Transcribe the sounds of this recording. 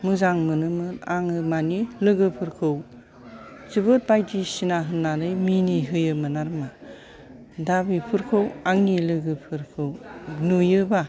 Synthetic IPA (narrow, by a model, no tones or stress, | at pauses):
mɯzaŋmɯnɯmɯnaŋɯmanilɯɡɯpʰɯɾkʰɯw | zɯbɯt̚bajdisinaɦɯnːanɯjminiɦɯjɯmɯnaɾma | dabipʰɯɾkʰɯwaŋnilɯɡɯpʰɯɾkʰɯwnujɯba